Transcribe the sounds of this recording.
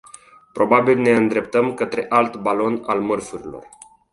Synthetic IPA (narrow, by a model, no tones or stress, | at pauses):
pɾo̞babilne̞ɨnd̪ɾe̞p̚t̪əmkət̪ɾe̞ʔalt̪balo̞na̰lmərfuɾilo̞̰r